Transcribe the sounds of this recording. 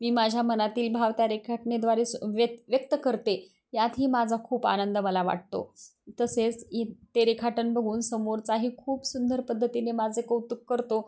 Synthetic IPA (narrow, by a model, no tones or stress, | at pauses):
miːmad͡ʑʱjamənat̪iːlbʱaʋt̪jaɾekʰaʈned̪ʋaɾesʋəʋjək̚t̪əkəɾt̪e | jat̪ɦiːmad͡zʱakʰuːpa̰nənd̪əməlaʋa̰ʈ̚t̪o̰t̪əset͡st̪eɾekʰaʈənbəɡʱuːnsəmoɾt͡saɦiːkʰuːpsund̪ʱəɾpəd̪ʱːət̪inemad͡zʱekəut̪ːukːəɾt̪o